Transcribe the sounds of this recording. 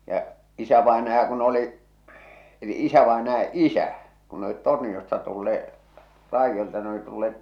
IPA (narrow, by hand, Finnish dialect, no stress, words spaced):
jɑʔ isæʋɑenɑjɑ kun oli eli isæʋɑenɑjɑ isæ kun ne olit tornij̆ostɑ tulːee rɑijːoltɑ ne oli tulːeːt